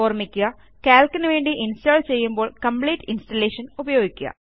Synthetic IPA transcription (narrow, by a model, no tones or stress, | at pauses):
oːrmikʲːuɣɐ | kaːlkːɐnɨʋe̞ːɳɖiʔinstoːɭt͡ɕe̞jːumboːɭkɐmpɭiːʈːinstɐlːeːʂɐnubɐjoːɡikʲːuɣɐ̰